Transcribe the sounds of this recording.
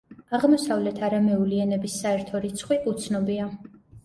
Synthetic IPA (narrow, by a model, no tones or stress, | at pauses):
aʁmɔsavlɛt̪ʰaɾamɛuliɛnɛbisːaɛɾt̪ʰɔɾit̪sʰχwiʔut̪sʰnɔbia